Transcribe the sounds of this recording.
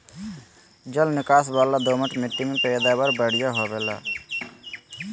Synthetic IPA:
d͡ʒəlnɪkaːsbaːlad̪oməʈmɪʈːimepɛd̪abəɾbəɽ̤ijaɦobeːla̰ː

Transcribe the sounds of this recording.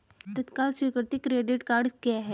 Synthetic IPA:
t̪ɐt̪kaːlsikəɾt̪ikɾeːɖɪʈkaːɾɖkjaɦɛː

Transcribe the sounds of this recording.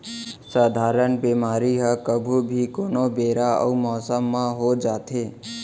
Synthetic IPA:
sad̪ʱaɾənbemaɾiɦəkəbʱubʱikonobeɾaə̰umɔsəmːaɦod͡ʒat̪ʰe

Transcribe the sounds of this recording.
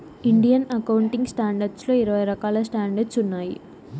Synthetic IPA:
iɳɖijɐnɐkɐwuɳʈiŋɡsʈaːɳɖɐɾɖsloːɪɾɐʋɐjɾɐkaːlɐsʈaːɳɖɐɾɖsunːaːjḭ

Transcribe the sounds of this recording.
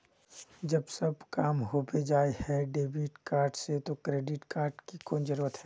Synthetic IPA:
d͡ʒɐbsɐbkaːmɦobed͡ʒaːehɛɖeːbiʈkaːɾɖset̪okɾeːɖɪʈkaːɾɖkikoːnd͡ʒəɾuːɾət̪ɦɛː

